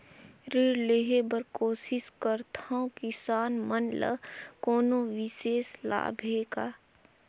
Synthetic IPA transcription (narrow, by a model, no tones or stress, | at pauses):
ɾiːɾleɦebəɾkoːsɪskəɾt̪ʰaõkɪsaːnmənlə̰koːnõʋɪseːsla̰ːbʱeːɡa̰ː